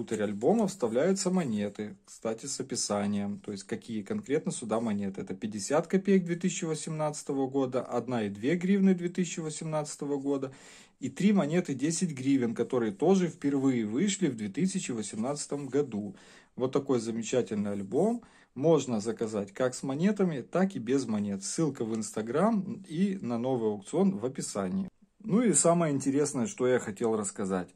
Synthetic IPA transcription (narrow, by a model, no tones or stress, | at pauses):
ut̪əɾʲɐlʲbo̞məfst̪ɐvlʲæjʊt̪səmɐnʲe̞t̪ɨkst̪atʲɪsəpʲɪsanʲɪjəmt̪o̞jɪsʲtʲkɐkʲijəkɐnkɾʲe̞t̪nəsʲʊd̪amɐnʲet̪ɨɛt̪əpʲɪdʲɪsʲat̪kɐpʲejəɡ̚d̪vʲe̞t̪ɨsʲɪt͡ɕːɪvəsʲɪmnat̪sɨ̥t̪əvəɡo̞d̪əʔɐd̪naɪd̪vʲe̞ɡɾʲivnɨd̪vʲet̪ɨsʲɪt͡ɕːɪvəsʲɪmnat̪sɨ̥t̪əvəɡo̞d̪ə | it̪ɾʲimɐnʲe̞t̪ɨdʲesʲɪtʲɡɾʲivʲɪnkɐt̪o̞ɾɨjət̪o̞ʐɨfpʲɪrvɨjɪvɨʂlʲɪvd̪vʲe̞t̪ɨsʲɪt͡ɕɪvəsʲɪmnat̪sɨ̥t̪əmɡɐd̪u | vo̞t̪ːɐko̞jzəmʲɪt͡ɕætʲɪlʲnɨjɐlʲbo̞mː | o̞ʐnəzəkɐzatʲkaksmɐnʲe̞t̪əmʲɪt̪akɪbʲɪzmɐnʲe̞t̪sːɨlˠkəvɨnst̪ɐɡɾaminɐno̞vɨjɐʊkt̪sɨo̞nvəpʲɪsanʲɪjɪ | nuisaməjəɪnʲtʲɪɾʲesnəjəʂt̪ojaxɐtʲelˠrəskɐza̰tʲ